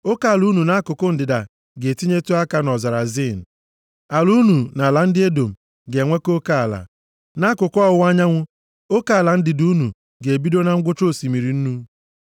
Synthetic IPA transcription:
o˦ka˦˨lu˦nu˨na˦kʊ˨kʊ˦n̩˨dɪ˨da˨ | ɡe˨ti˦ɲe˦tu˦a˦ka˦nɔ˨za˨ɾa˨zi˦˨n̩˨ | a˨lu˦nu˨na˨la˨˦n̩˦dɪ˦e˦do˨m̩˨ | ɡe˨ŋʷe˦ko˦ka˦a˨la̰˨ | na˦kʊ˨kɔ˦ʊ˨˦wa˦ɲa˦ŋʷʊ˦ | o˦ka˦a˨la˨n̩˦dɪ˨du˦nu˨ | ɡe˨e˨bi˦do˦na˦ŋ̩˦ɡʷʊ˦t͡ʃo˦˨si˨mi˨ɾi˨n̩˦nu˦

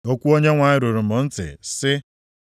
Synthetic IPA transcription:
o˦kʷu˦o˦ɲe˦ŋʷa˨ɲɪ˦ɾu˨ɾʊ˨mʊ˨n̩˦tɪ̰˨sɪ˦

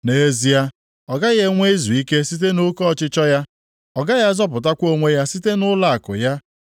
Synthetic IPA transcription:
ne˨e˦zi˨ja˦ | ɔ˨ɡa˦ɣe˨ŋʷe˦i˦zu˨i˦ke˦si˦t̬e˦nʊ˦kɔ˦˨t͡ʃɪ˦t͡ʃɔ˦ja˦ | ɔ˨ɡa˦ja˦zɔ˦p̬ʊ˨ta˦kʷo˦ŋʷe˦ja˦si˦te˦nʊ˦la˦˨a˨kʊ̰˨ja˦

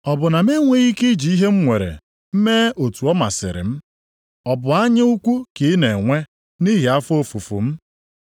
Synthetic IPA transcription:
ɔ˨bʊ˨na˨me˦ŋʷe˦ɣi˦ki˦d͡ʒi˨i˦ɦe˦m̩˦ŋʷe˨ɾḛ˨ | m̩˦meː˦o˨tu˨ɔ˦ma̰˨sɪ̰˨ɾɪ̰˨m̩˦ | ɔ˨bʊ˨a˦ɲɪ˦u˦kʷu˦ki˨˦ne˨ŋʷe˦ | ni˦ɦi˨a˦fo˦fu˨fṵ˨m̩˦

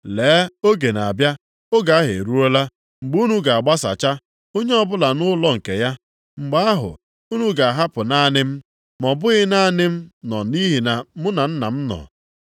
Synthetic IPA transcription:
leː˨˦o˦ɡe˨na˨a˨bja˦ | ʊ˦ɡa˨˦a˦ɦḛ˨ɾu˦o˦la˦ | ŋ͡m̩˨ɡ͡bu˦nu˦ɡa˨a˨ɡ͡ba˦sa̰˨t͡ʃa˦ | o˦ɲe˦ɔ˨bʊ˦la˨nʊ˦lɔ˦ŋ̩˨ke˨ja˦ | ŋ͡m̩˨ɡ͡ba˦a˦ɦʊ̰˨ | u˦nu˦ɡa˨a˨ɦa˦pʊ˨na˦a˦˨nɪ˦m̩˦ | mɔ˨bʊ˦ɣɪ˦na˦˨nɪ˦m̩˦nɔ˨ni˦ɦi˨na˨mʊ˦na˨n̩˦na̰˨m̩˦nɔ̰˨

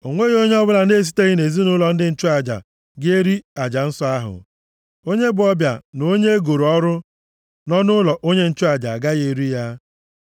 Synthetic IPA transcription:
o˨ŋʷe˦ɣo˦ɲe˦ɔ˦bʊ˦la˨n̩˦e˦˨s̬i̥˦te˦ɣɪ˦ne˨zi˦nʊ˦lɔ˨n̩˦dɪ˦n̩˦t͡ʃʊ˦a˨d͡ʒa̰˨ | ɡɪ˦e˦ɾi˦a˨d͡ʒa˨n̩˦sɔ˦a˦ɦʊ̰˨ | o˦ɲe˦bʊ˨ɔ˦bja̰˨no˦ɲe˦e˦ɡo˨ɾɔ˦ɾʊ˦ | nɔ˦nʊ˦lɔ˨ʔo˦ɲe˦n̩˦t͡ʃʊ˦a˨d͡ʒa̰˨ɡa˦ɣe˨ɾi˦ja˦

